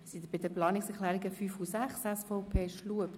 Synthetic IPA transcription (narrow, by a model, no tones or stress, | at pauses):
sid̪əbɪdəplɑːniksɛɾχlæːɾiɡəfyfusæχsɛsfɔʊpʰeːʃluəp